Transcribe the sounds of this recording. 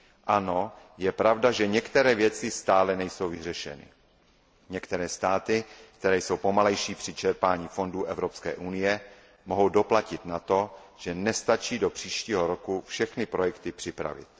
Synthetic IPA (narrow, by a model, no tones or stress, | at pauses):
ʔano̞ | jɛpɾavdaʒɛɲɛkt̪ɛɾɛːvjɛt͡sɪst̪aːlɛnɛjso̞wvɪr̝ɛʃɛ̰nɪ̰ | ɲɛkt̪ɛɾɛːst̪aːt̪ɪkt̪ɛɾɛːjso̞wpo̞malɛjʃiːpr̝̥ɪt͡ʃɛɾpaːɲiːfo̞nduːʔɛvɾo̞pskɛ̰ːʔunɪjɛ | moɦo̞wdo̞placɪt̪nat̪o̞ʒ̥ɛnɛst̪at͡ʃiːdo̞pr̝̥iːʃciːɦo̞ɾokufʃɛxnɪpɾo̞jɛkt̪ɪpr̝̥ɪpɾa̰vɪ̰t̪